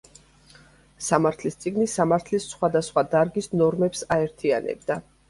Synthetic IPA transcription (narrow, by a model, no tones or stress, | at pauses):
samaɾt̪ʰlist̪sʼiɡnisamaɾt̪ʰlisːχwad̪asχwad̪aɾɡisnɔɾmɛpsaɛɾt̪ʰianɛ̰bd̪a